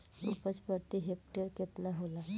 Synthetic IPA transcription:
ṵpət͡spəɾt̪iɦek̚ʈeɾket̪naɦola

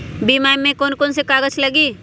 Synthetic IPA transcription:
biːmaːmẽkoːnkoːnsekaːɡət͡ʃʰlɐɡiː

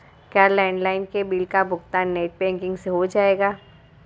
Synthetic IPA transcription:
kʲjaːlɛ̃ːɳɖlaːɪnkebilkabʱʊɡt̪aːnːeːʈ̚bɛ̃ːŋkɪ̃ŋɡseɦod͡ʒaːeːɡaː

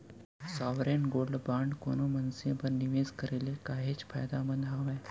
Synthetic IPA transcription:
saʋɾenɡolɖbaɳɖkonumənsẽbəɾniʋezkəɾelekaɦeːt͡spʰa̰jd̪aməd̪ʱaʋaj

